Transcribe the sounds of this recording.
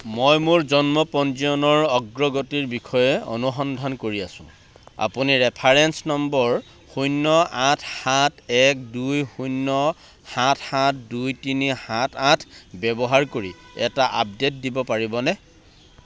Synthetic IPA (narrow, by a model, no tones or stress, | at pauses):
mojmuɹzɔnmɔpɔnziɔnɔɹɔɡɹɔɡotiɹbikʰɔjɛo̰nuxɔndʱankoɹiasʊ̰̃ | a̰puniɹɛpʰaɹensnɔmbɔɹ | xujnːɔatʰhatʰɛk̚dujxujnːɔ | hatʰhatʰdujtinihatʰatʰbɛbɔɦaɹkoɹiɛtaʔap̚det̚dibɔpaɹibɔnɛ